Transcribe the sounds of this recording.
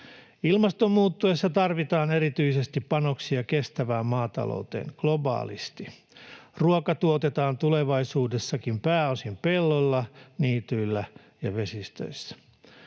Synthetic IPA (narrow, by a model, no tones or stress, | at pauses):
ilmɑst̪o̞mːuːt̪ːuesːɑt̪ɑrʋit̪ɑːneɾit̪yise̞st̪ipːɑno̞ksiɑkest̪æʋæːmmːɑːt̪ɑ̰lo̰ut̪ḛːŋɡ̥lo̞bɑ̰ːlḭst̪i | ruokɑt̪uot̪et̪ɑːnt̪uleʋɑisuːdesːɑkimpæːosimpe̞lːolːɑniːt̪yilːæ | jɑʋe̞sist̪ø̰isːæ̥